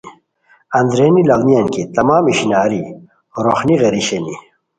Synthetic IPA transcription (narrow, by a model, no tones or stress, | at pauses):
ɐnd̪ɾeːnilawnijɐnkit̪ɐmaːmiɕinaːɾi | ɾoxniɣeɾiɕeni